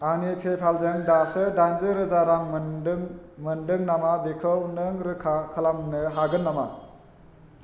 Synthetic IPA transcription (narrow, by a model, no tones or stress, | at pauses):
anipʰepʰalzɯŋdasɯdanzɯɾɯzaɾaŋŋmɯndɯŋnamabekʰɯwnɯŋɾɯkʰakʰɐlamnɯɦaɡɯnːama̰